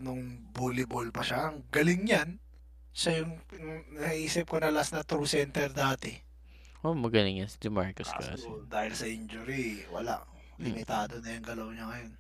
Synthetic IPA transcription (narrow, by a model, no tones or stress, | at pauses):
nʊŋbulɪbolpɐʃaŋɡɐlɪŋɲan | ʃɐjʊŋnɐkɐʔiːsɪp̚konɐlasnɐt̪ɾusɛnt̪ɛɾd̪aːt̪ɛ | ʔomɐɡɐlɪŋjansɪd͡ʒ̪ɪmaɹkoska̰od̪aːhɪlsɐʔɪnd͡ʒʊɾiwɐ̰la̰ʔ | lɪmɪt̪aːd̪onɐjʊŋɡ̪ɐlɐwɲɐŋɐjo̞n